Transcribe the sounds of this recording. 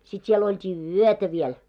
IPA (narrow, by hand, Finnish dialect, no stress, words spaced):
sit siel oltʲiː yøtæ ʋiɛl